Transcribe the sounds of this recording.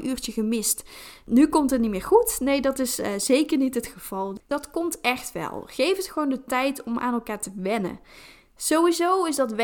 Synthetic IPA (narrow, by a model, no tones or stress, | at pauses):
ʔyːɹt͡ʃəχəmɪstnykɔmtɦətnitmɪːɹχutnejdɑtɪsz̥ejkəɹnitɦətχəv̥ɑlˠdɑtkɔmtɛχtʋɛ̰lˠχejfətχəʋowndətɛjtɔmʔa̰ːnɛlˠkaːɹtəʋɛnə̰ | z̥owʋizowɪsdɑtʋ